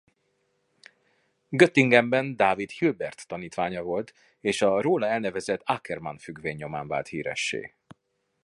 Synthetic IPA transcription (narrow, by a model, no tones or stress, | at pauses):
ɡøt̪ːiŋɡɛmbɛnd̪aːvit̪hilbɛrt̪ːɒniːt̪ʋaːɲɒvo̞lt̪ | eːʃɒroːlɒɛlnɛvɛzɛt̪ːakɛrmɒ̰nfyɡveːɲːo̞ma̰ːɱva̰ːlt̪hiːɾɛ̰ʃːḛː